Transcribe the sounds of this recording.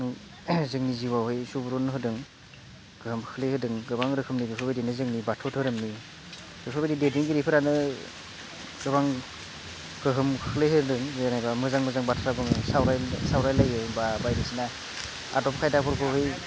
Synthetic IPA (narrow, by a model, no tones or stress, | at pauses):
ɯŋ | zɯŋniziwawhɯjsubuɾɔnɯɦɯdɯŋ | ɡ̥ɯhɯmkʰɯ̥kʰlehɯdɯŋɡɯbaŋɾɯkʰɯmniɾipʰɯbɯdinɯzɯŋnibatʰɔtʰɯɾɯmni | bipʰɯbedidediŋɡiɾipʰɯɾanɯ | ɡ̥ɯbaŋ | ɡ̥ɯɦɯmkʰɯkʰleɦɯdɯŋzenajbamɯzaŋmɯzaŋbatʰɔɾabɯŋsawɾajsawɾajlajɯbabajɾesina | a̰dɔp̚kʰajdapʰɔɾpʰɯɦɯj